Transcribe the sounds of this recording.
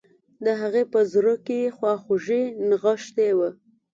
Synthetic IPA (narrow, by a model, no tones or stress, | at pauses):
d̪əɦaɣepəzɾəkexwɑxoʒenɣəʃt̪ewə